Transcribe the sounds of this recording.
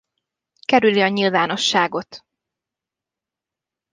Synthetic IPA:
kɛɾyliɒɲilvaːno̞ʃːaːɡo̞t̪

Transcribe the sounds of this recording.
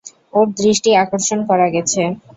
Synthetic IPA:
oɾd̪ɾiʃʈiakoɾʃonkɔɾaɡɛt͡ɕʰe

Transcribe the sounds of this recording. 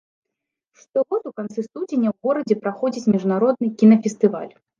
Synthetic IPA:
ʂt̪ɔɣɔt̪ukant̪sɨst̪ud͡zʲenʲɐwɣɔɾɐd͡zʲɛpɾaxɔd͡zʲit͡sʲmʲiʐnaɾɔd̪nɨkʲinɐfʲɛst̪ɨva̰lʲ

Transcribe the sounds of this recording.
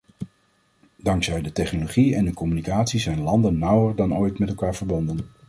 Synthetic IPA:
dɑŋksɛjdətɛχnoloχiɛndəkɔmynikaːtsizɛjnlɑndənːʌwəɹdɑnojtmɛtɛlˠkaːɹvəɹbɔndən

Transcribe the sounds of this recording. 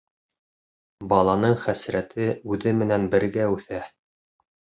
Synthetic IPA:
bɑlˠɑnɤɴχæsɾæt̪ɘʉðɘmɘ̆nænbɘ̆ɾɡæʉθæ

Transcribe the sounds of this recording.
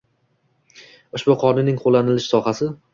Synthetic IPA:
ʊʃbʊqʰɒnɪnɪŋqʰolˠːanɪlɪʃsɒhasɪ

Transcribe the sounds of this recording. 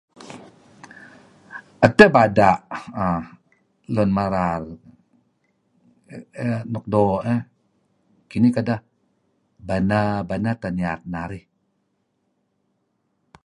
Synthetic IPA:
ət̪əbadaʔa | lɔnmaɾal | nɔk̚dɔʔə | kinikada | banabanat̪aniat̪̚naɾih

